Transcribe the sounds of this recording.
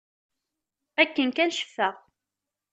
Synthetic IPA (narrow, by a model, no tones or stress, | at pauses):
ækːənkænʃə̥fːəʁ